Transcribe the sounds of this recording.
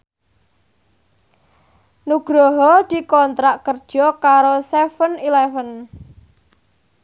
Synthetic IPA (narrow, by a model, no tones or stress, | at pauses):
nuɡ̥ɾɔɦɔd̪̥i̤kɔnt̪ɾaʔkərd̥ʒ̥ɔkaɾosɛfənilɛfən